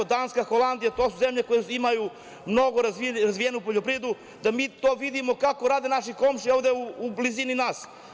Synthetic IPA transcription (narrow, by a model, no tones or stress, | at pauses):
d̪aːnskaxolˠand̪ijat̪oːsuzemʎekojeimaju | mno̞ɡoɾaziɾazʋijenupoʎopɾied̪u | d̪amiːt̪oːʋid̪imo̞kako̞ɾaːd̪enaʃikomʃioʋd̪e̞uublizininaːs